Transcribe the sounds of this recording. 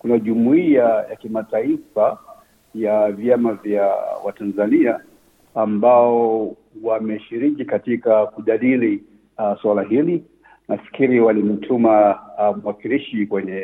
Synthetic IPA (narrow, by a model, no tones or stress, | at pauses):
kunaʄumuiajakimataifa | javjamavjawa̰tanzaniaː | mbaɔ | wamɛʃiɾikikatikakuʄaɗili | swalaɦili | nafi̥kiɾiwalim̩tʰumamuwakiliʃikwɛɲɛ